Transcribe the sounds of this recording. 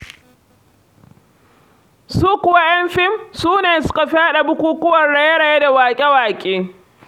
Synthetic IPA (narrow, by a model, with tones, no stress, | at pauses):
suː˦kʷʊ˨wa˦jɐ˦mɸɪ˦msuː˦neː˨sʊ̥˦ka˨ɸɪ˦a˦ɗa˨bʊ˦kʷuː˦kʊ˦wɐ˨nɽa˨je˦ɽɐ˨je˦da˨waː˨kʲʼe˦waː˨kʲʼeː˦